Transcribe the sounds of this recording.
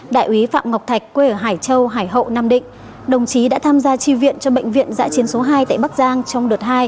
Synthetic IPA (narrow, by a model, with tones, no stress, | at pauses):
ɗa̰ː˧˨jʔwi˨˦fa̰ː˧˨mŋa˨˩wk͡p̚t̪ʰa˨˩jk̟̚kːwe˧˨˩ɦaː˧˩jt͡ɕə˧wɦaː˧˩jɦə̰˧˨naː˧mɗḭ̈˧˨ŋ̟ | ɗə˨˩wŋ͡mt͡ɕi˨˦ɗa̰ː˧˥t̪ʰaː˧mzaː˧t͡ɕi˧vḭ˧˨ənt͡ɕɔ˧ɓə̰˧˨jŋ̟vḭ˧˨ənza̰ː˧˥t͡ɕi˨˦ənso˨˦ɦaː˧jt̪a̰ː˧˨jɓk̚zaː˧ŋt͡ɕɔ˧wŋ͡mɗɨ˨˩t̚haː˧j